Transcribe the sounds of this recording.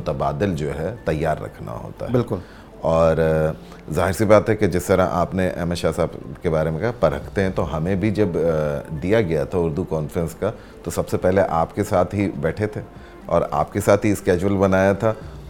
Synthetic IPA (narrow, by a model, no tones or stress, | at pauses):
t̪əbaːd̪ɪld͡ʒoːɦɛt̪ɐjːaːɾːɐ̰kʰna̰ɦo̰ːt̪a̰ɦɛbɪlkʊl | ɔːɾ | zaːɦɪɾsibaːt̪ɦɛked͡ʒɪst̪ɐɾaʔa̰ːpneʔɛ̰ːməʃaːɦsaːbkebaːɾemẽkɐɦapɐɾə̰kʰt̪eɦɛ̃t̪oɦɐmẽbʱid͡ʒɐbd̪ijaɡɐjat̪ʰaʊɾd̪ukɔːnfəɾə̃nska | t̪osɐbsepɛɦleʔaːpkesaːt̪ʰɦibɛːʈʰet̪ʰe | ɔ̰ːɾa̰ːpkesaːt̪ʰɦiskɛːd͡ʒwəlbɐnaːjat̪ʰa